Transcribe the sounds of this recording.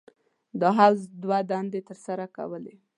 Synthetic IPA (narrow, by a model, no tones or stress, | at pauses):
d̪əɦawzd̪wad̪and̪et̪əɾsaɾaka̰wəle